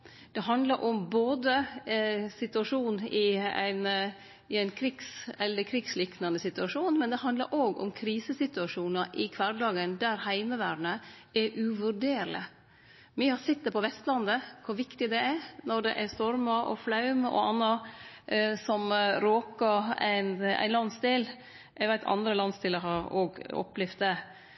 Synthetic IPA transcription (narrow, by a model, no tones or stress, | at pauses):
d̪̥ɛɦɑnd̪lɑɾʔɔmboːd̪ə | sɪt̪ʉɑʂuːnɪæ̰ɪn | ɪæɪnkʰɾɪɡsɛlːəkʰɾɪɡslɪknɑnəsɪt̪ʉɑʂuːnmɛnd̪ɛhɑnd̪lɑ̰ɾʔoːɡɔ̰mkʰɾiːsəsɪt̪ʉɑʂuːnɑʔɪkʰʋɑɾɖ̪ɑːɡənd̪æɾhæɪməʋæːɖɳəɛʔʉʋʉɾɖeːɾlə̰ | miəhɑsɪt̪ːəpʰɔʋɛst̪lɑnd̪əkʰʊʋɪkt̪ɪd̪ɛæɾnɔɖɛ̰ʔæst̪ɔɾmɑʔɔ̰flɑʉmɔ̰ɑnːɑ | sɔmɾoːkɑæ̰ɪnæ̰ɪnlɑnsd̪eːl | ʔɛɡʋæɪt̪ʰɑ̰nd̪ɾəlɑnst̪ɪləhɑɾoːɡɔ̰plɪft̪̚d̪ɛ